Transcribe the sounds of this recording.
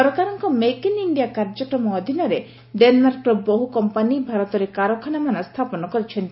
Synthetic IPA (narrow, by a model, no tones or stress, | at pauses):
ɔɾɔkaɾɔŋkɔmekiniɳɖijakaɾd͡ʒɔkɾɔmɔːd̪ʱinɔɾe | ɖenmaɾkɾɔbɔɦukɔmpanibʱaɾɔt̪ɔɾekaɾɔkʰanamanast̪ʰapɔnɔkɔɾit͡ʃʰɔnt̪i